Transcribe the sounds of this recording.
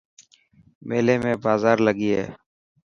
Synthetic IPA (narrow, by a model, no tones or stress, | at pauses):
meːleːmẽːbaːzaːɾləɡiːɦɛ̰ː